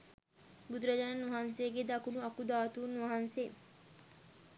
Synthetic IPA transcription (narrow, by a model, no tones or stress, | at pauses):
bud̪uɾɐd͡ʒananuʋɐɦanseɡed̪akunuɐkud̪aːt̪uːnuʋaɦanse